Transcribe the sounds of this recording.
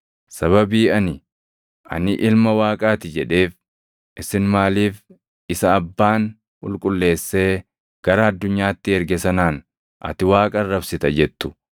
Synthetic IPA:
sɐβɐbiːɐnɪ | ʔɐ̰nɪʔɪlmɐwaːkʼaːt̪ɪd͡ʒɛᶑe̞ːf | ʔɪsɪnmaːliːf | ɪsɐːbːaːn | ʊ̰lkʼʊlːe̞ːsːe̞ː | ɡ̥ɐɾɐɐd̪ːʊɲːaːt̪ːɪɛɾɡɛsɐnaːn | ʔɐ̰t̪ɪwaːkʼɐrːɐbsɪt̪ɐd͡ʒɛt̪ːʊ̥

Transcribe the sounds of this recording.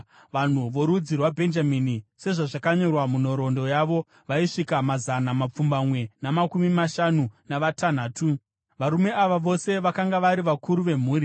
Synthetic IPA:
ʋan̤uʋo̞ɾud͡zirwabʱe̞nd͡ʒaminise̞ʐaʐakaɲo̞rwamuno̞ɾo̞ndo̞jaʋo̞ | ʋaiʂikamazanamap͡fumbamwe̞namakumimaʃanunaʋatan̤aːtu | ʋaɾume̞aʋaʋo̞se̞ʋakaŋɡaʋaɾiʋakʰuɾuʋe̞m̤uːɾi

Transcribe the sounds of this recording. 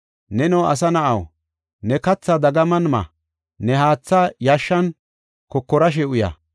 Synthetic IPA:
nɛnɔwʔɐ̰s̬ɐnɐʔɐw | nɛkɐt͡sːɐd̪ɐɡɐmɐnmɐ̰ | nɛhaːt͡sːajaʃːɐn | kɔkːɔɾɐʃ̬ɛʊjɐ̰

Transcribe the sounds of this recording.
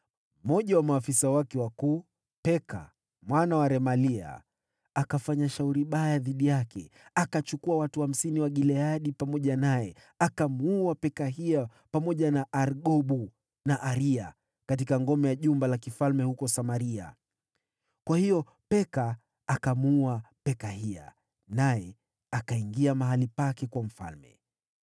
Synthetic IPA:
m̩mɔʄawamaːfisawakɛwakuː | pɛkʰa̰ | mwanawaɾɛmalia̰ | akafaɲaʃauɾiɓajaðiɗijakʰɛ̰akat͡ʃukuawatuham̩siniwaɠilɛaɗipamɔʄanajɛ | akamuuapɛkaɦia | pamɔʄanaʔaɾɠɔɓu | naʔaɾia | kat̬ikaŋɡɔmɛjaʄumbalakifalmɛhukɔsamaɾia̰ | kwahijɔ | pɛkaː | kamuuapɛkahia̰ | najɛ | akaiŋɡiamaɦalipakɛkwam̩fa̰lmɛ̰

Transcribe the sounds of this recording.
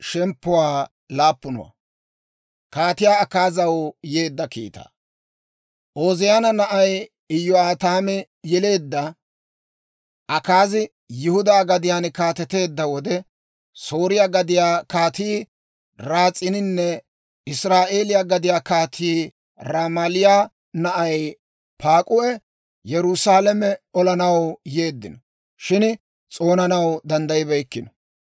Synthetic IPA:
ʃɛmpːʊwaː | laːpːʊnɔ̰wɐ̰ | kaːt̪ɪjaːɐkaːzɐwje̞ːd̪ːɐkḭːt̪ɐ̰ | ʔoːzɪjaːnɐnɐʔɐj | ɪjːɔaːt̪aːmɛ | jɛle̞ːd̪ːɐ | ʔɐkaːzɪ | jʊhʊd̪aːɡɐd̪ɪjaːnkaːt̪ɛt̪e̞ːd̪ːɐwɔd̪ɛ | so̞ːɾɪjaːɡɐd̪ɪjaːkaːt̪iː | ɾaːt͡sʼːɪnɪnːɛ | ɪsɾaːʔe̞ːlɪjaːɡɐd̪ɪjaːkaːt̪ʰiː | ɾaːmɐlɪja | nɐʔɐj | paːkʼʊʔɛ | jɛɾʊsaːlɐmɛɔlɐnɐwje̞ːd̪ːɪnɔ | ʃɪn | t͡sʼo̞ːnɐnɐwd̪ɐnd̪ɐjɪbɐjkːɪnɔ

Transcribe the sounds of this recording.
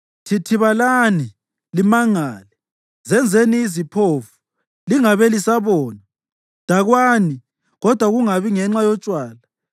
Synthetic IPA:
tʰitʰiβalani | limaŋaːlɛ | zɛnd͡zʱeniːzipʰofu̥ | liŋaβɛlisaβɔːna | d̥ʱaɣwaːni | ɣɔd̥ʱwaɣuŋaβiŋɛŋ͡ǁajɔt͡ʃʼwaːla

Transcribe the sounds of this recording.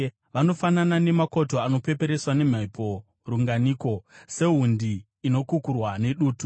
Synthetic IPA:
ʋano̞fananane̞mako̞to̞ano̞pe̞pe̞ɾe̞swane̞m̤aipo̞ | ruŋɡaniːko̞se̞ɦundiː | no̞kukurwane̞ɗuːtu

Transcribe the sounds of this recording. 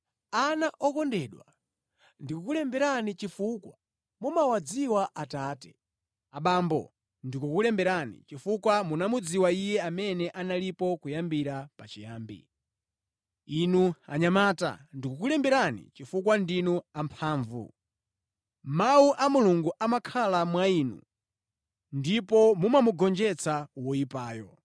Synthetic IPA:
anaʔɔkɔndɛːɗwa̰ | ndikukulɛmbɛɾanit͡ʃifukwa̰ | mumawad͡ziwaʔataːtɛ̥ | aɓaːmbɔ̰ | ndikukulɛmbɛɾanḭt͡ʃifukwamunamud͡ziwaijɛamɛnɛʔanalipɔkujambiɾapat͡ʃijaːmbḭ | inua̰ɲamaːta̰ndikukulɛmbɛɾanḭt͡ʃifukwandinuampʰaːɱvṵ | mawuʔamuluŋɡuʔamakʰalamwainṵ | ndipɔmumamuɡɔnd͡ʒɛt͡sʰawɔjipaːjɔ

